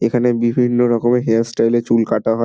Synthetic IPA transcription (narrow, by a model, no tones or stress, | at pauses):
ekʰanebibʱinːoɾɔkomeɦeasʈajlet͡ɕulkaʈaɦɔe